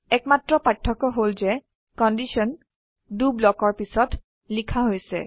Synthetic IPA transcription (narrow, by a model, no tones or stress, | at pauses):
ɛkmatɹɔpatʰːɔkɔɦolzɛ | kɔndisɔn | dublɔkɔɹpisɔt | likʰaɦojsɛ̰